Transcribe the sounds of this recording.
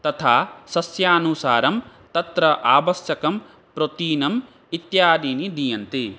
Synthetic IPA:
t̪ɐt̪ʰaːsɐsjaːnusaːɾɐmt̪ɐt̪ɾɐʔaːʋɐsjɐkɐm | pɾot̪iːnɐm | it̪jaːd̪iːnid̪ijɐnt̪i

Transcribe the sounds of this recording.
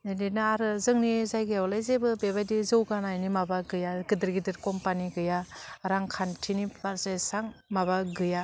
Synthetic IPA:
enenɯaɾɯzɯŋnizajɡɯjawlajzebɯbeβajdizɯwɡanajnimabaɡɯjaɡɯdɯɾɡidɯɾkɔmpaniɡɯjaɾaŋkʰantʰinibaɾsajsaŋmaβaɡɯja

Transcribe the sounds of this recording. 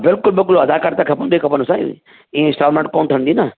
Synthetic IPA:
bɪlkʊlbɪkʊlɐd̪akaɾt̪akʰɐpənd̪ikʰɐpənʊsaḭ | ĩːẽsaːɾmə̃ɳʈ̚koːnʈ̪ʰənd̪iːnɐ

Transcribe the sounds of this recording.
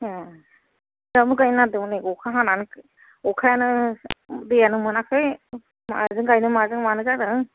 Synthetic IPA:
damɯkajnadɯwniɔkʰaɦananɯk | ɔkʰajanɯ | dɯjanɯmɯnakʰɯj | ma̰zɯŋɡajnɯmazɯŋmanɯkadɯŋ

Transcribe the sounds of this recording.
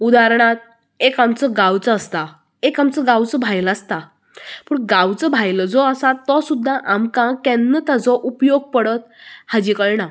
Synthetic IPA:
ud̪aɾɳ̃at̪̚ | ekamt͡səɡawt͡səast̪a | ekamt͡səɡawt͡səbʱajlast̪a | puːɳɡawt͡səbʱajləd͡zɔəsat̪ːɔsud̪ʱːaʔamkãkɛnːət̪ad͡zɔʔupjoɡ̚pəɽət̪̚ | had͡ʑikəɭna

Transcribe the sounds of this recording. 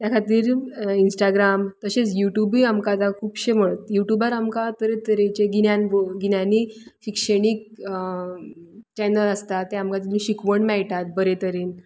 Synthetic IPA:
t̪jakʰat̪iːɾinsʈaɡɾamt̪əɕet͡sjuʈjubiːamkat̪akʰuːpɕem̤əɭət̪juʈjubəɾamkat̪əɾet̪əɾet͡ɕeɡinjanʋəɡinjaniɕikʂəɽik̚ | t͡ɕɛnəɾəst̪at̪ːeamkat̪ilũɕikʋəɳmɛɭʈat̪̚bəɾet̪əɾiːn

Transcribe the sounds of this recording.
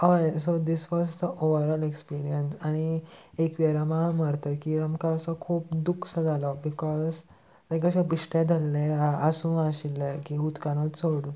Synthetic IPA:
ajsod̪isʋɔzd̪əʔoʋəɾɔlekspiɾiənsañiekʋɛɾamaməɾt̪əkiamkasɔkʰuːpd̪ukʰsad͡zʱalɔbikɔz | lajkəɕãbiʂʈãd̪ʱalːẽaəsũːaɕilːəkiut̪kanotsoɽu

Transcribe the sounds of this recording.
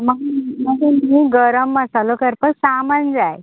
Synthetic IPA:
məɡməd͡zemiːɡəɾəmːəsalokəɾpəɾsamand͡zaj

